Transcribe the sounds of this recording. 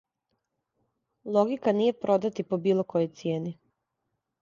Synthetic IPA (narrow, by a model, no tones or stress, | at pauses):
lˠoɡikaniːje̞pɾʔo̞d̪at̪ipobiːlˠoko̞jojt̪sjeːni